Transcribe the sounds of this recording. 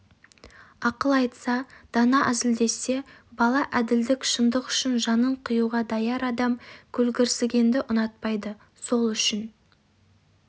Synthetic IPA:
ɑqəlˠɑjt̪sɑd̪̥ɑnɑʔæzɪld̪e̞se̞bɑlˠɑʔæd̪ɪld̪ɪkʃənd̪əqʏ̥ʃɪnʒɑnəɴqʰəjuʁɑd̪ɑjɑɾɑd̪ɑmkʲʰɵlɡʲɪɾsɪɡʲe̞nd̪ɪʔʊnɑt̪̚pɑjd̪ə | so̞lˠʏʃɪn

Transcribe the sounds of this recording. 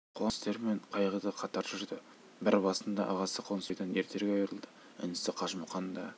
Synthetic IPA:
qʰost̪e̞ɾmeɴqʰɑjʁəd̪əqʰɑt̪ɑɾʒʏɾd̪ɪ | bɪɾbɑsənd̪ɑ̰ʔɑʁɑsəqʰonsejd̪ɑnje̞ɾt̪ʰe̞ɾɡʲeɑjɾəlˠd̪ə | ɪ̰nɪsɪqʰɑʃmʊχɑnd̪ɑ

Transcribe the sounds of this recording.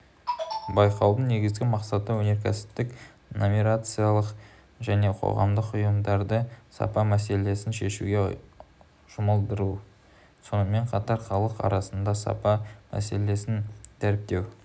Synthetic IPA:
bɑjqɑwd̪əɴne̞ɡʲɪzɡʲɪmɑqsɑt̪əwɵne̞ɾkʲʰæsɪ̥t̪ːɪk | nomiɾat̪sɨjalˠəq | ʒæne̞qʰo̞̰ʁɑ̰md̪əqʊjəmd̪ɑɾd̪əsɑ̰pɑmæse̞le̞sɪnʃe̞ʃuɡʲe̞ | ʒ̥ʊməlˠd̪əɾu | so̞nəme̞ɴqʰɑt̪ɑɾχɑlˠəqɑ̰ɾɑsənd̪ɑsɑ̰pɑmæ̰se̞le̞sɪnt̪ʰæɾɪp̚t̪e̞w

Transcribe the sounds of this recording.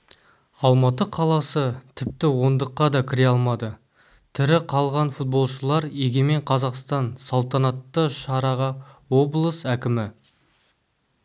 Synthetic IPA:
ɑlˠmɑt̪əqʰɑlˠɑsət̪ʰɪp̚t̪ɪwo̞nd̪əqːɑd̪ɑkʲʰɪɾe̞ɑlˠmɑd̪ə | t̪ʰɪɾɪqʰɑlˠʁɑnfut̪̚bo̞lˠʃəlˠɑɾeɡʲe̞me̞ɴqʰɑzɑqst̪ɑnsɑlˠt̪ɑnɑt̪ːəʃɑɾɑʁəwo̞blˠəsækʲɪmɪ

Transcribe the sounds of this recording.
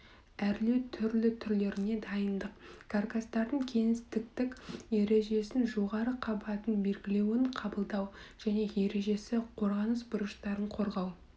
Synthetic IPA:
æɾlewt̪ʰʏɾlɪt̪ʰʏɾle̞ɾɪne̞d̪ɑjənd̪əqkʰarkast̪ɑɾd̪əɴkʲʰe̞ŋɪst̪ɪk̚t̪ɪkje̞ɾe̞ʒe̞sɪnʒo̞ʁɑɾəqʰɑbɑt̪ənbe̞lɡʲɪle̞wɪɴqʰɑbəlˠd̪ɑwʒ̥æne̞je̞ɾe̞ʒe̞sɪqʰo̞ɾʁɑnəsbʊɾəʃt̪ɑɾəɴqʰo̞ɾʁɑw

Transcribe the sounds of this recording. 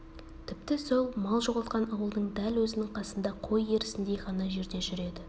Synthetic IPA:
t̪ʰɪp̚t̪ɪso̞lˠmɑlˠʒo̞ʁəlˠt̪qɑnɑwəlˠd̪əɴd̪ælwɵzɪnɪŋqʰɑsənd̪ɑqʰo̞jːe̞ɾɪsɪnd̪ejʁɑnɑʒe̞ɾd̪e̞ʒʏɾe̞d̪ɪ

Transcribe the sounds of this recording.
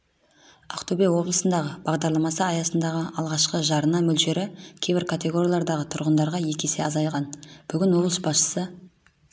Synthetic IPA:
aqt̪obewo̞blˠəsənd̪ɑʁəb̥ɑʁd̪ɑɾlˠɑmɑsəɑjɑsənd̪ɑʁəɑlˠʁɑʃqəʒɑɾənɑmɵlʒe̞ɾɪkʲʰejbɪɾkʰat̪ʲe̞ɡo̞ɾʲjɑlˠɑɾd̪ɑʁət̪ʰʊɾʁənd̪ɑɾʁɑje̞kʲʰe̞seɑzɑjʁɑnb̥ʏɡʲɪnwoblˠəʃbɑsʃə̥sə

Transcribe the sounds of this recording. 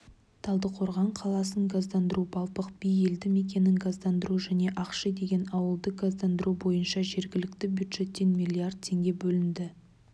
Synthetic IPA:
t̪ʰɑlˠd̪əqʰo̞ɾʁɑɴqʰɑlˠɑsəɴɡazd̪ɑnd̪əɾubɑlˠpəq̚b̥ije̞ld̪ɪme̞kʲe̞nɪŋɡazd̪ɑnd̪əɾuʒæne̞ʔɑqʃəd̪e̞ɡʲe̞nɑwəlˠd̪əɡazd̪ɑnd̪əɾubo̞jənʃɑʒe̞ɾɡʲɪlɪk̚t̪ɪbʲjud̪ʒ̥e̞t̪ːe̞nmʲijlʲːiard̪̚t̪ʰːe̞ŋɡʲe̞bɵlɪnd̪ɪ

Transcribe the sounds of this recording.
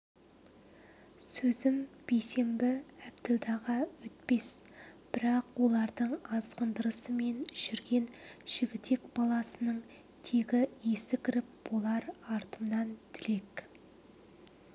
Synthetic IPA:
sɵzɪmb̥ejse̞mbɪæbd̪ɪld̪ɑʁɑwɵt̪̚pe̞s | b̥ɪɾɑqwo̞lˠɑɾd̪əɴɑzqənd̪əɾəsəme̞nʒɪɾɡʲe̞nʒ̥ɪɡʲɪt̪e̞kb̥ɑlˠɑsənəɴ | t̪ʰeɡʲɪje̞sɪkʲʰɪɾɪp̚b̥olˠɑɾɑɾt̪əmnɑnt̪ʰɪle̞k

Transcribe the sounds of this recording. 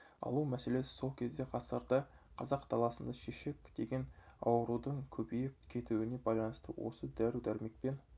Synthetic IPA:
ɑ̰lˠumæse̞le̞sɪ̥so̞lˠkʲʰe̞zd̪e̞qʰɑsəɾd̪ə | qʰɑzɑqt̪ʰɑlˠɑsənd̪ɑʃeʃe̞kʲd̪̥e̞ɡʲe̞nɑ̰wəɾud̪əɴkʲʰɵbejɪp̚kʲʰe̞t̪uwɪne̞bɑjlˠɑnəst̪əwo̞̰səd̪æɾud̪æɾme̞k̚pe̞n

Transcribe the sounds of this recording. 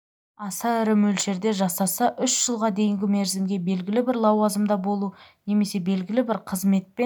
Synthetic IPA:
ɑsɑɪɾɪmɵlʃe̞ɾd̪e̞ʒɑsɑsəʔʏʃʒ̥əlˠʁɑd̪e̞jɪŋɡʲɪme̞ɾzɪmɡʲe̞be̞lɡʲɪlɪbɪɾlˠɑwɑzəmd̪ɑbo̞lˠune̞me̞se̞be̞lɡʲɪlɪbɪɾqʰəzme̞t̪̚pe

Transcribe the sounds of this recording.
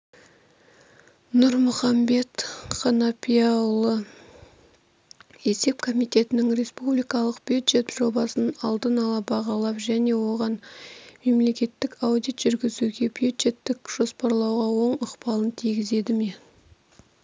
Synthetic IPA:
nʊɾmʊχɑmbe̞t̪qɑnɑpʲʰijɑwlˠə | e̞se̞p̚kʰo̞mijt̪e̞t̪ɪnɪŋɾe̞spublijkɑlˠəqb̥ʲud̪ʒe̞t̪ʒ̥o̞bɑsənɑlˠd̪ənɑlˠɑbɑʁɑlˠɑpʒæne̞wo̞ʁɑnme̞mle̞kʲe̞t̪ːɪkawd̪ijt̪ʒ̥ʏɾɡʲɪzuɡʲe̞bʲjud̪ʒe̞t̪ːɪkʒ̥o̞spɑɾlˠɑwʁɑwo̞ɴʊqpɑlˠənt̪ʰijɡʲɪze̞d̪ɪme̞

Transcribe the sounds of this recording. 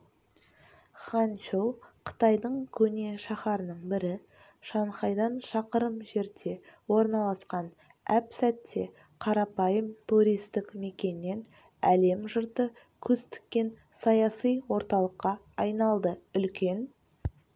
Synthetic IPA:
χɑnt͡ʃowqʰə̥t̪ɑjd̪əɴkʲʰɵne̞ʃɑχɑɾənəɴbɪɾɪ | ʃɑɴχɑjd̪ɑnʃɑqəɾəmʒe̞ɾt̪ʰe̞wo̞ɾnɑlˠɑsqɑn | æpsæt̪ʰːe̞ | qʰɑɾɑpɑjəmt̪ʰuɾʲijst̪ɪkme̞kʲe̞nːe̞n | æle̞mʒəɾt̪ə | kʲʰɵzt̪ɪ̥kʲːe̞n | sɑjɑsijwo̞ɾt̪ɑlˠəqːɑ | ɑjnɑlˠd̪əʏlkʲe̞n

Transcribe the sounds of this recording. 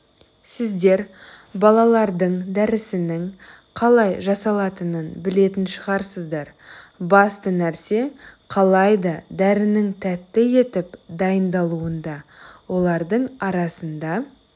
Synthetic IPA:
sɪzd̪e̞ɾbɑlˠɑlˠɑɾd̪əɴd̪æɾɪsɪnɪŋ | qʰɑlˠɑjʒɑsɑlˠɑt̪ənənbɪle̞t̪ɪnʃəʁɑɾsəzd̪ɑɾbɑst̪ənæɾse̞qʰɑlˠɑjd̪ɑd̪æɾɪnɪŋt̪ʰæt̪ːɪje̞t̪ɪpd̪ɑjənd̪ɑlˠuənd̪ɑwo̞lˠɑɾd̪əɴɑɾɑsənd̪ɑ

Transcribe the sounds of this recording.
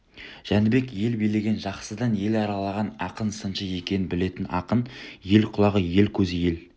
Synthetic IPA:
ʒ̥ænɪbe̞kje̞lbijle̞ɡʲe̞nʒɑqsəd̪ɑnje̞lɑɾɑlˠɑʁɑnɑqənsənʃəje̞kʲe̞nɪnbɪle̞t̪ɪnɑ̰qənje̞lqʰʊlˠɑʁəje̞lkʲʰɵzɪje̞l

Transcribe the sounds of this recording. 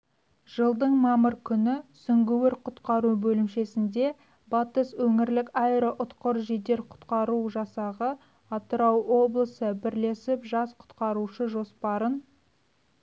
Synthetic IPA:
ʒ̥əlˠd̪əɴmɑməɾkʲʰʏnɪsʏŋɡʲɪwɪɾqʰʊt̪qɑɾubɵlɪmʃe̞sɪnd̪e̞ | bɑt̪əswɵŋɪɾlɪkɑjɾəʔʊt̪qʊɾʒid̪e̞ɾqʰʊ̥t̪qɑɾuʒɑsɑʁə | ɑt̪əɾɑwwo̞blˠəsəbɪɾle̞sɪpʒɑsqʰʊ̥t̪qɑɾuʃəʒo̞spɑɾən

